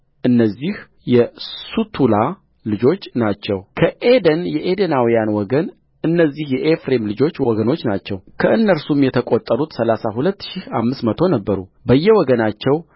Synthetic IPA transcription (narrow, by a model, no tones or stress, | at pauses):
ʔɨnːəzːih | jɛsut̪ʰula | lɨd͡ʒo̞t͡ʃːnat͡ʃːɛwkʰəʔed̪ənjɛʔed̪ənawijanwɔɡən | ɨnːəzːihjɛʔefɾemlɨd͡ʒo̞t͡ʃːwwɔɡəno̞t͡ʃːnat͡ʃːɛwkʰəʔɨnːəɾsumjɛt̪ʰəkʼo̞t̪ʼːəɾut̪səlasahulət̪ːʃiha̰mːɨsmət̪ʰo̞nəbːəɾṵbəjːɛwɔɡənat͡ʃːɛw